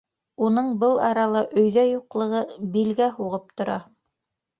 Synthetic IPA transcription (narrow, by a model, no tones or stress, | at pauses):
unɤɴbɤlˠɑɾɑlˠɑʔɵ̆jðæjuqlˠɤ̆ʁɤbilɡæhuʁɤp̚t̪ŏɾɑ